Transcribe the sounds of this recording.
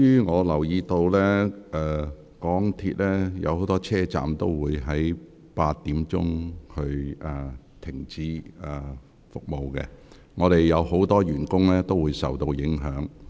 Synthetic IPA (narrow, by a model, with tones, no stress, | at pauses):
jyː˥ŋɔː˨˧lɐ˨˩wjiː˧t̪o˧wlɛ˥ɛː˨ | kɔː˨˥ŋt̪ʰḭː˧t̚lɛː˥jɐ̰˨˧who˨˥wt̪ɔː˥t͡sʰɛː˥t͡sa̰ː˨mt̪o˥wwuː˨˧jɦɐ˨˥j | paː˧t̚t̪ːiː˨˥mt͡ʃʊ̰˥ŋhɵ˧ɥɛ˨˩ | t̪ʰɪ˨˩ŋt͡siː˨˥ɛ˨˩ | fʊ˨k̚mo˨wkɛ̰˧ | ŋɔː˨˧ɾe˨jːɐ˨˧who˨˥wt̪ɔː˥ɥyː˨˩nkʊ˥ŋlɛː˥t̪o˥wuː˨˧jsɐ̰˨wt̪o˧wjɪ˨˥ŋɦœː˨˥ŋ